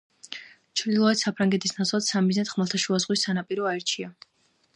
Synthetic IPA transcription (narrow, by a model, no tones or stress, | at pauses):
t͡ʃʰɾd̪ilˠɔɛt̪sapʰɾaŋɡɛt̪ʰisnat̪sʰlˠad̪̥samiznɛt̪χmalˠt̪ʰaʃuazʁwisːanapʼiɾɔaɛɾt͡ʃʰia